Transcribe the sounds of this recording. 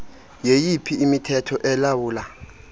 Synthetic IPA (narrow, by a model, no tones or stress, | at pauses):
jejipʰiːmitʰɛtʰɔʔɛlawuːla